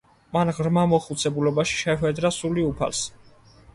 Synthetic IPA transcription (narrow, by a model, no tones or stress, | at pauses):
manʁɾmamɔχut̪sʰɛbulɔbaʃi̥ʃɛχwɛd̪ɾasuliupʰa̰ls